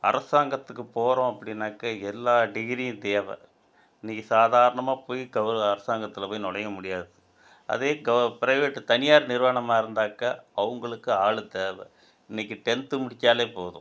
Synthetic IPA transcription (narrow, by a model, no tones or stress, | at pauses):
ɐ̰ɾɐsaːŋɡɐt̪ːɯkːɯpoːɾõɐpːɐɽɪnːaːkːɐɛlːaːɖɪɣɪɾijʊ̃d̪eːɐʋɐ̰ | ɪnːikʲːɯsaːðaːɾɐɳɐmaːpoːjiɡɐʋɾɐɐɾɐsaːŋɡɐt̪ːɪlɐpoːjnɔɽɐjɐmʊɽɪjaːðɯ | ɐ̰ðeːɡɐpɪɾɐɪʋeːʈːɯt̪ɐnɪjaːɾnɪɾʋɐɳɐmaːɪɾɯnd̪aːkɐʔɐʋɐŋɡɐɭɯkːɯaːɭɯd̪eːʋɐ | ɪnːɐk̬ʲːɯʈɛnt̪ɯmʊɽɪt͡ʃːaːleːpoːðʊ̰̃